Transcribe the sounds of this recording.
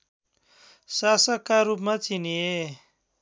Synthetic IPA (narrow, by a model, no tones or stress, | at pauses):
sasʌkːaɾup̬mat͡sinie